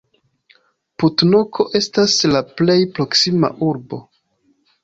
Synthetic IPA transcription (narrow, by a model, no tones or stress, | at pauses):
putnokʰo̞ʔe̞staslaple̞jpɾo̞ksima̰ʔuɾbo̞